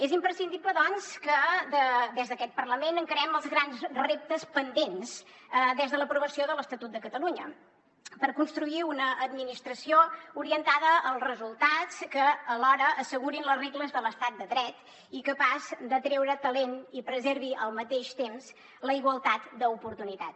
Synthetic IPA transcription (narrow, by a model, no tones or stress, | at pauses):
ezimpɾəsind̪iβləðɔnskəd̪əd̪ɛzðəkɛt̪̚pərləmenəŋkəɾɛməlˠzɣɾanzrep̚t̪əspənd̪ens | d̪ɛzðələpɾuβəsioðələst̪ət̪ut̪̚d̪əkət̪əluɲə | pəɾkunst̪ɾuiunəʔːd̪̚minist̪ɾəsiouɾiənt̪aðəːlˠzrəzulˠt̪at͡skəːlɔɾəːsəɣuɾinləzreɣləzðələst̪at̪̚d̪əðɾɛt̪ | ikəpazd̪ət̪ɾɛwɾət̪əlenipɾəzeɾβiʔəlˠmət̪eʃt̪emz | ləiɣwəlˠt̪at̪d̪əupuɾt̪unit̪at̪